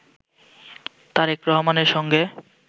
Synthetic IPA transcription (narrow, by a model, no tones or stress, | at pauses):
t̪aɾekɾɔɦmaneɾʃɔŋɡe